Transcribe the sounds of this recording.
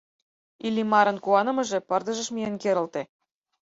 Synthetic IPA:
ilʲimɑɾɤ̆nkuɑnɤ̆mɤ̆ʒĕpɤ̆rd̪ɤ̆ʒə̆ʃmienkeɾə̆lt̪ĕ

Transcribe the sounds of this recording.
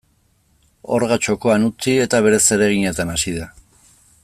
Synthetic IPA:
o̞̰ɾɣat͡ʃo̞ko̞anut͡sie̞t̪aβ̞e̞ɾe̞se̞ɾe̞ɣ̞iɲe̞t̪anasiða

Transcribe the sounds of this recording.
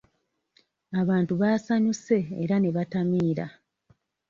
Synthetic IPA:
aβaːntuβaːsaɲuse̞̰ːɾane̞βatamiːɾa

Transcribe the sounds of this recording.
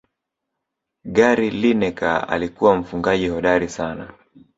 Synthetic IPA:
ɡaɾilinɛka̰a̰likuwam̩fuŋɡaʄihɔɗaɾisana̰

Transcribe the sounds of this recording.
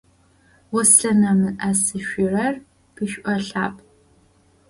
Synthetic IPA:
wɔsɬɐnɐmɨʔasɨʃʷɪrɐr | b̥iʃʔʷɔɬa̰ːpʰʼ

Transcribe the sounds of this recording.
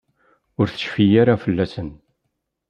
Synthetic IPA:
ʊɾθə̥ʃfijaɾafəlːæsən

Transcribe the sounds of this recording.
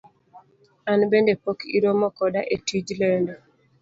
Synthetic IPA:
anbendepokḭɾomɔkɔdaʔetid͡ʒlɛndɔ

